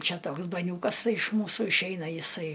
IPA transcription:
ˈt͡ʃʲɛ ˈtoːks bɐˈnʲuːkɐs ˈtɐɪ ɪʃ ˈmuːsʊ ɪʃʲˈɛɪnɐ jɪˈsɐɪ

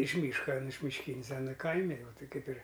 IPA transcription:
ɪʃ ˈmʲiːʃkɐ ˈɐn mʲɪʃʲˈkʲiːnʲɪs ˈɑːnɐ ˈkɐɪmʲɪ jɛʊ ˈtɐɪ ˈkɐɪp ɪr

